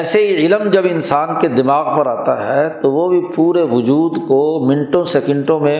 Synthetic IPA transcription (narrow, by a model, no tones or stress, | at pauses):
ɛːseɦiɪləmd͡ʒɐbɪnsaːnked̪ɪmaːɣpɐɾaːt̪aɦɛt̪oʋobʱipuːɾeʋʊd͡ʒuːd̪komɪ̃ɳʈõsɛkɪ̃ɳʈõmẽ